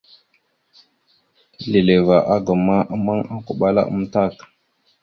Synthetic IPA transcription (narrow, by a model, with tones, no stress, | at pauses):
li˨le˨va˨ʔa˦ɡə˨ma˦ʔma˦ŋa˦ku˨ɓa˦la̰˦ʔə̰˦m˦ta˦˨k